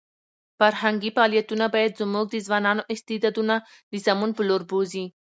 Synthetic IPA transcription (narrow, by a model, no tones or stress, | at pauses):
faɾhaŋɡifaɑːlijat̪unabɑjad̪zʊmuɡ̚d̪izwɑːnɑnoʔɪst̪id̪ɑːd̪una | d̪izamunpəloɾbozi